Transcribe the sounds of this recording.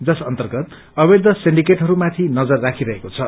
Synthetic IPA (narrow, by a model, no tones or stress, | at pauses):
d͡zʌsʌnt̪ʌrɡʌt̪ | ʌbed̪ʱʌsiɳɖikeʈɦʌɾumat̪ʰinʌd͡zʌrːakʰiɾʌɦekot͡sʰʌ